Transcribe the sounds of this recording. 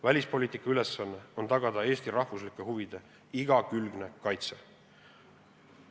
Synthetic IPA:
vælʲispo̞lʲiːt̪ˑikˑːɑyle̞sːɑnːeo̞nt̪ɑɡ̥ɑd̪ɑe̞ːst̪iɾɑhvuslikˑːehuvid̪̥e̞ | iɡ̥ɑkylɡ̥ne̞kɑjt̪se̞

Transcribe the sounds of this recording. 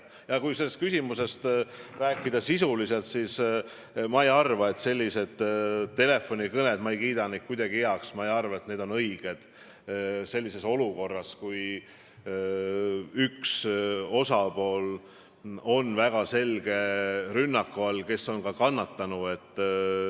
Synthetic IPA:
jɑkujse̞lːe̞st̪̚kysimuse̞st̪ræːkːˑid̪̥ɑsisulise̞lt̪sis | mɑejɑrvɑe̞t̪se̞lʲːise̞d̪̥t̪e̞le̞fo̞nʲikɤne̞d̪mɑejkiːd̪ɑnik̚kujd̪̥ɑɡ̥ieɑksmɑejɑrvɑe̞t̪ne̞ːd̪o̞nɤjɡ̥e̞d̪̥ | se̞lʲːise̞so̞luko̞rːɑskuj | ykso̞sɑpo̞ːl | o̞nvæɡ̥ɑse̞lɡ̥e̞ɾynːɑkːuɑlke̞so̞nkɑkɑnːɑt̪ːɑnue̞t̪ː

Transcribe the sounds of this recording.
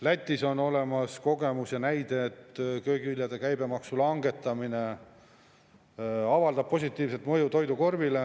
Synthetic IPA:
læt̪ʲːˑiso̞no̞le̞mɑsko̞ɡe̞musjɑnæjd̪̥e̞ːt̪ːkø̞ːkilʲjɑd̪̥e̞kæjbe̞mɑksulɑŋɡe̞t̪ːˑɑmine̞ | ɑvɑld̪ɑb̚pːo̞sʲit̪ːˑiːvse̞t̪mɤ̞jut̪o̞jd̪uko̞rvile

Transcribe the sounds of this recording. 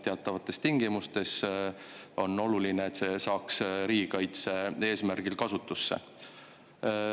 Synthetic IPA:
t̪e̞ɑt̪ːˑɑvɑt̪ːˑe̞st̪iŋɡ̥imust̪e̞s | o̞no̞lulineːt̪se̞sɑːksɾiːɡikɑjt̪se̞e̞ːsmærɡ̥ilkɑsut̪ːˑusːḛ

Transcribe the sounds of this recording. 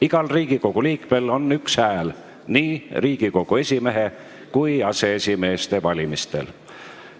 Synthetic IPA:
iɡ̥ɑlriːɡ̥iko̞ɡ̥uliːkme̞lo̞nːykshæːl | niːriːɡ̥iko̞ɡ̥ue̞sʲime̞ɦe̞ | kujɑse̞esʲime̞ːst̪e̞vɑlʲimist̪e̞̰l

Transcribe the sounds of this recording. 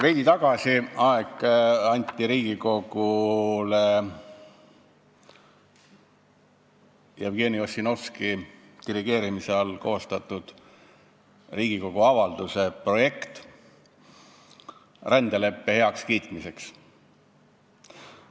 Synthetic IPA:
ve̞jd̪it̪ɑɡ̥ɑsʲiɑeɡɑnʲt̪ʲːˑiɾiːɡiko̞ɡ̥ule | jɑvɡe̞ːnio̞sːino̞fski | t̪iɾiɡ̥e̞ːɾimiseɑlko̞ːst̪ɑt̪ˑːud̪̥ | riːɡiko̞ɡ̥uɑvɑld̪̥use̞pro̞je̞kt̪ | rand̪̥ele̞pːe̞he̞ɑkskiːt̪mise̞ks

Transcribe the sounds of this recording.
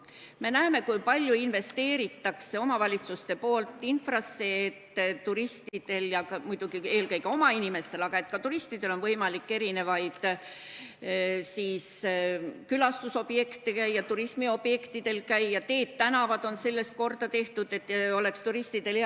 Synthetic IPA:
me̞næeme̞kujpɑlʲjuinve̞st̪e̞ːɾit̪ːɑkse̞o̞mɑvɑlʲit̪sust̪e̞po̞ːlt̪ːˑinfrɑsːe̞ːt̪ːt̪uɾist̪id̪̥e̞ljɑkɑmujd̪̥uɡ̥ie̞ːlkɤ̞jɡ̥e̞o̞mɑinime̞st̪e̞lɑɡ̥ɑe̞t̪ˑkɑt̪uɾist̪id̪̥e̞lo̞nvɤjmɑlikːe̞ɾine̞vɑjd̪̥ | siːs | kylɑst̪uso̞b̥je̞kt̪ekæjjɑt̪uɾismio̞b̥je̞kt̪id̪̥e̞lkæjjɑt̪e̞ːd̪t̪ːænɑvɑd̪̥o̞nse̞lːe̞st̪̚ko̞rd̪̥ɑt̪e̞ht̪ud̪̥e̞t̪ːo̞le̞kst̪uɾist̪id̪̥e̞le

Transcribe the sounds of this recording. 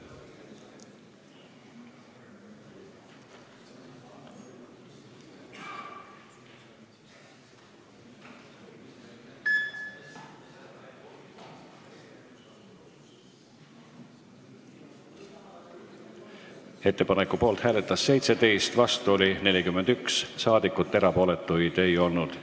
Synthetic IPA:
e̞t̪ːe̞pɑnekːˑupo̞ːlt̪hæːlet̪ˑːɑsːe̞jt̪se̞t̪e̞jst̪vɑst̪uo̞line̞lʲikymːend̪ykssɑːd̪ikːˑut̪ːe̞ɾɑpo̞ːle̞t̪ːˑujt̪ø̞jo̞lnud̪̥

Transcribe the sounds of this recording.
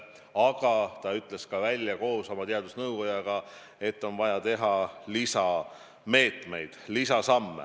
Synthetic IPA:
ɑɡ̥ɑt̪ɑyt̪ˑleskɑvælʲjɑko̞ːso̞mɑt̪eɑd̪usnɤwɡo̞jɑɡ̥ɑ | e̞t̪ːo̞nvɑjɑt̪e̞ɦɑlisɑ | me̞ːt̪me̞jd̪̥lisɑsɑmːḛ

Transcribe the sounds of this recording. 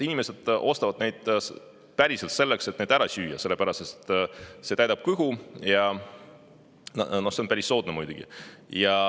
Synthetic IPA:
inime̞se̞d̪̥o̞st̪ɑvɑd̪̥ne̞jd̪̥ | pæɾise̞lt̪se̞lːekset̪ned̪æɾɑsyːjɑ̰se̞lːe̞pæɾɑst̪est̪se̞t̪æjd̪ɑb̥̚kɯɦujɑ | no̞hse̞o̞npæɾisːo̞ːd̪̥̚nemujd̪̥uɡ̥ḭjɑ

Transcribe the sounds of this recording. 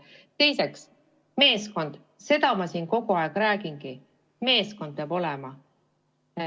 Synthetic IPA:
t̪e̞jse̞ks | me̞ːsko̞nd̪̥ | se̞t̪ɑmɑsiːnko̞ɡ̥uɑeɡ̥ɾæːɡinɡ̥i | me̞ːsko̞nd̪̥̚pɑbo̞lemɑ

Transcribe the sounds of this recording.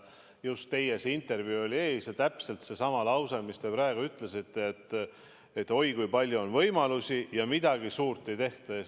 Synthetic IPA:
just̪ːe̞je̞sint̪ːˑe̞rvjuo̞lʲie̞ːsjɑt̪æpse̞lt̪se̞sɑmɑlɑwsemist̪e̞pɾɑeɡ̥uyt̪ˑle̞sit̪ːe̞ːt̪ːˑ | et̪ːo̞jkujpɑlʲjuonvɤjmɑlusijɑmid̪ɑɡisuːrt̪ːˑe̞jt̪e̞ht̪ɑe

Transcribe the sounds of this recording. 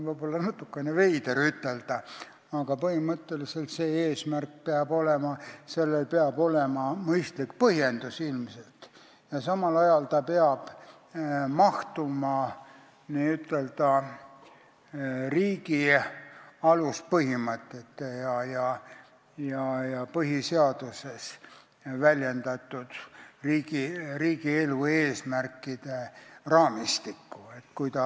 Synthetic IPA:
vɤjb̥o̞lːɑnɑt̪ːˑukːˑenevejd̪eɾyt̪ːˑe̞ld̪̥ɑ | ɑɡ̥ɑpɤhimət̪ːe̞lise̞lt̪se̞ːeːsmærk̚peɑbo̞lemɑse̞lːelpeɑbo̞le̞mɑmɤjst̪likpɤhje̞nd̪usilmselt̪ | jɑsɑmɑlɑjɑlt̪ɑpeɑb̥ | mɑht̪umɑ | niyt̪ːˑe̞ld̪̥ɑ | riːɡi | ɑluspɤhimɤt̪ːˑet̪ːejɑjɑ | jɑjɑpɤɦiseɑd̪̥use̞s | vælʲjend̪ɑt̪ːˑud̪̥riːɡiriːɡie̞lueːsmærkːid̪̥erɑːmist̪ikːuet̪ːkujt̪ɑ

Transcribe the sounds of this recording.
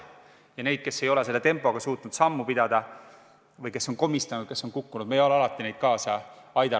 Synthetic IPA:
jɑne̞jd̪̥̚ke̞sːe̞jo̞le̞se̞lːet̪e̞mpːˑo̞ɡ̥ɑsuːt̪ːˑunud̪̥sɑmːupid̪̥ɑd̪̥ɑ | vɤjke̞sːo̞nko̞mist̪ɑnud̪̚ke̞sːo̞nkukːunud̪̥mejoeɑlɑt̪ːˑine̞jd̪̥̚kɑːsɑɑjd̪ɑ

